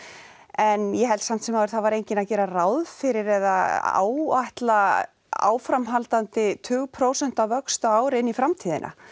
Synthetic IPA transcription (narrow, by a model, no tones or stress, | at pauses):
ɛnjɛɦɛlsam̥t̪sɛmhaʏɾ̥θaðvaɾejɲcɪnacɛːɾarawðfɪɾɪɾɛðaa̰ːwaht̪la | a̰ːwfɾamɦalt̪ant̪ɪt̪ʰʏːɣpʰɾoːwsɛn̥t̪awvœkst̪aaːwɾɪnːifɾamt̪ʰiːðɪ̰nʔa̰